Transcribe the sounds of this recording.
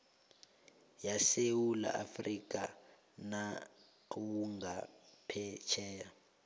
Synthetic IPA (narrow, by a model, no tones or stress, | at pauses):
jasewula̰ʔafrikʼa | na | kuwuŋɡapʰɛt͡ʃʰɛːja